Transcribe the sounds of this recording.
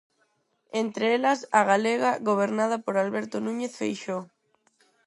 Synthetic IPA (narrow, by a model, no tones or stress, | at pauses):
ent̪ɾeelasaɣaleɣaɣoβ̞eɾnað̞apoɾalβeɾt̪onũɲeθfejʃo